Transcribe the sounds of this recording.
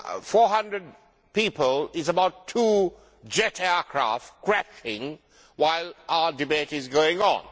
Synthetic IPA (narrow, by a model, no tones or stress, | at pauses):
fɔːɦʌ̃ndɹəd̚ | pipəlɪzəbaʊtʰːuː | d͡ʒɛtʰɛəkʰɹ̥ɑ̰ˑftkʰɹ̥æʃɪ̃ŋ | waɪlˠaədɨbetɪzɡoʊɪ̃ŋə̰̃n